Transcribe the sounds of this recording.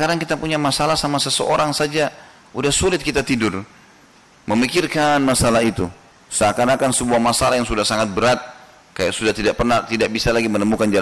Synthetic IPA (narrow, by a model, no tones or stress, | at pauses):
kadaŋkit̪apuɲamasalahsamasəsəʔoɾaŋsad͡ʒa | udahsulɪt̪̚kit̪at̪idʊr | məmikɪrkanmasalait̪u | səakanakansəbuahmasalahjaŋsudahsaŋat̪̚bəɾat̪̚ | kaja̰ʔsudaht̪idaʔpərnaht̪idaʔ̚bisalaɡimənəmukand͡ʒa